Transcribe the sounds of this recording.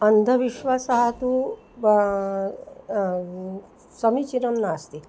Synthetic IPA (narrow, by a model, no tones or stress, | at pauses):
ɐnd̪ʱɐʋiʃʋasɐɦɐt̪u | sɐmit͡ʃinɐmnaːst̪i